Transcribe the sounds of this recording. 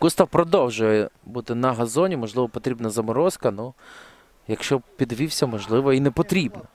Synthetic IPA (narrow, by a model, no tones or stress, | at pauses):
kust̪ɐwpɾɔd̪ɔwʒʊjɛbut̪ɪnɐɦɐzɔnʲimɔʒlˠɪʋɔpɔt̪ɾʲibnɐzɐmɔɾɔskɐnu | jɐkʃt͡ʃɔpʲid̪ʋʲiwsʲɐmɔʒlˠɪʋɐinɛpɔt̪ɾʲibnɐ